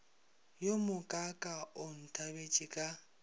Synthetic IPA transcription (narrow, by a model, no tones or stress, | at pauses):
jomʊkʼakʼaʊn̩tʰabet͡ʃʼɪkʼa